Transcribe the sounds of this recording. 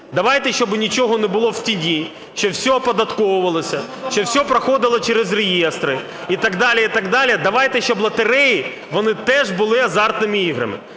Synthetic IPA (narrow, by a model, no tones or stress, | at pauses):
d̪ɐʋɑjt̪ɛʃt͡ʃɔbnʲit͡ʃɔɦɔnɛbʊlˠɔwtʲidʲi | ʃt͡ʃɔwsʲɔpɔd̪ɐt̪kɔwʊʋɐlˠɔsʲɐ | ʃt͡ʃɔwsʲɔpɾɐxɔd̪ɪlˠɔt͡ʃɛɾɪzrejɛst̪ɾɪ | it̪ɐɡd̪ɑlʲiit̪ɐɡd̪ɑlʲid̪ɐʋɑjt̪ɛʃt͡ʃɔblˠɐt̪eɾɛji | ʋɔnɪt̪ɛʒbʊlˠɪɐzɑrt̪nɪmɪiɦɾɐ̰mɪ̰